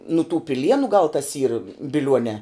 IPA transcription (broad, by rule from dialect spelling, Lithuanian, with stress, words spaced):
nʊ tuː pʲɪˈlʲiɛnʊ ɡɐlˠ tɐs iːr bʲɪˈlʲuɔnʲɛː